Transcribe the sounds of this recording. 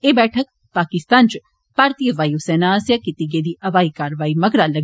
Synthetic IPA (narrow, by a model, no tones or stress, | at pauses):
eːbɛːʈʰək̚ | paːkɪst̪aːnt͡ʃ | paːɾt̪iːəʋaːiosɛːnaːsjaːkɪt̪iɡeːd̪iːʔɐʋaːiːkaːɾəʋaːiːməɡɾaːləɡ